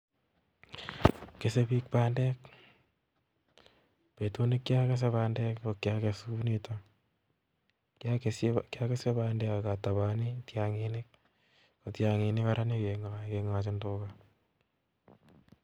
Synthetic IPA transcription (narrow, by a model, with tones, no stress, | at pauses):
ke˨se˦pi˦k̚paːndɛ˦k̚ | pe˨to˦ni˦kːja˦ke˦s̬e˦paːndɛ˦kokjake˨sunito | kjakeskja˦ke˦se˦pandɛ˦ka˨ka˨ta˨βaː˨nitjaŋinɪk̚ | kotjaŋi˨nɪ˦kaɾa˦nikeŋakeŋa˨t͡ʃɪ˦ntoːka